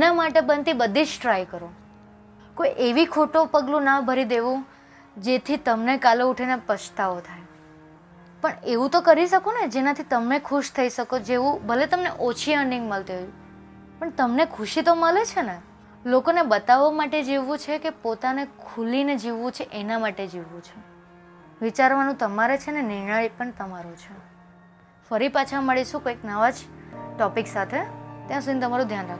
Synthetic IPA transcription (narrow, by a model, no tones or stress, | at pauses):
namaʈebənt̪ibəd̪ʱid͡ʒʈɾajkəɾo | koiʔeʋikʰoʈopəɡlũnabʱəɾid̪eʋũ | d͡ʒet̪ʰit̪əmnekaleuʈʰenepəʃt̪aot̪ʰaj | pəɳeʋũt̪okəɾiʃəkoned͡ʒenat̪ʰit̪əmnekʰuʃt̪ʰəiʃəkod͡ʒeʋũbʱəlet̪əmneʔot͡ʃʰiəɳɖĩŋɡməlt̪iɦojũ | pəɳt̪əmnekʰuʃit̪oməlet͡ʃʰene | lokonebət̪aʋːamaʈed͡ʒeʋːũt͡ʃʰekepot̪anekʰulined͡ʒiʋːũt͡ʃʰeʔenamaʈed͡ʒiʋːũt͡ʃʰe | ʋit͡ʃaɾʋanũt̪əmaɾet͡ʃʰenenɪɾɳaipəɳt̪əmaɾõt͡ʃʰe | fəɾipat͡ʃʰaməɭiʃũkoiknəʋad͡ʒʈɔpiksat̪ʰet̪jãsud̪ʱinet̪əmaɾũd̪ʱjanɾak